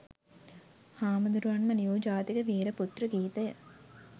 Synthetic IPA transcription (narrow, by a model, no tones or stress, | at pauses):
haːməd̪uɾuʋanməniuːd͡ʒaːt̪ikəʋiːɾəput̪rəɡiːt̪əjə